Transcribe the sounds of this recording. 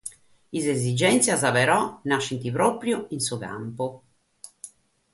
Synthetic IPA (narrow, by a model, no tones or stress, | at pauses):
izezid͡ʒɛnt̪siazaβɛɾɔnaʃːint̪ipɾɔpɾjoinsuka̰mpo